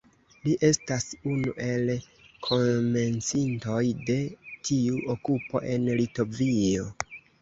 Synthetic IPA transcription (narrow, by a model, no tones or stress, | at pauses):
liʔe̞stasunuʔe̞l | kʰo̞me̞nt͡sinto̞jde̞tʰiuʔokupo̞̰ʔe̞nlito̞vio̞